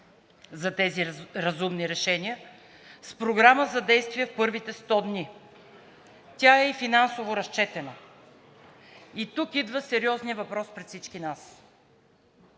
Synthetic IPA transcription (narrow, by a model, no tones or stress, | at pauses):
zɐt̪ɛziɾɐzumniɾɛʃɛniə | spɾoɡɾaməzɐd̪ɛjst̪viɛfpɤɾvit̪ɛst̪ɔd̪nʲi | t̪ʲaɛifinansovoɾɐst͡ʃɛt̪ɛnə | it̪ukid̪vəsɛɾiɔznijəvɐpɾɔspɾɛt̪fsit͡ʃkinas